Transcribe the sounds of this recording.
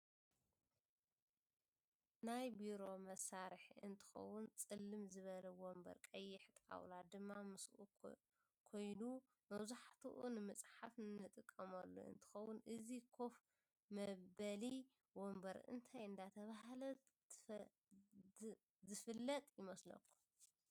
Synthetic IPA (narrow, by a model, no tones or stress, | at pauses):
najbiɾo̞mɐsːaɾɨħɨ̰nt̪ʰɨ̥xɐ̰wːʊnt͡sʼɨlːɨmzɨβɐlɐwombɐ̰ɾkʼɐjːɪħt̪ʼa̰wlad̪ɨmːamɨsʔu | kʰo̞jnu | mɐβzuħat̪ʰuʔunɨmɨt͡sʼħafnnɨt̪ʼɨkʼːɐmɐlːo̰ʔɨ̰nt̪ʰɨ̥xɐwʊnʔɨzikʰo̞f | mɐbɐli | wombɐɾɨ̰nt̪ʰajɨnd̪at̪ʰɐβaɦlɐ | zɨfɨlːɐt̪ʼjɪmɐslɐ̰kʰːu̥m